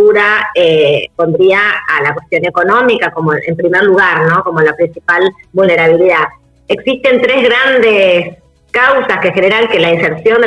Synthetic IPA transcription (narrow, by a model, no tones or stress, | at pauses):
uɾaepo̞nd̪ɾiaalakwest̪jo̞ne̞ko̞no̞mikako̞moḛmpɾimeɾluɣ̞aɾno̞ko̞molapɾinsipalβulne̞ɾaβ̞iliða | eksist̪e̞nt̪ɾezɣɾand̪es | kawsaske̞xeneɾaŋkelainseɾpsjo̞nd̪e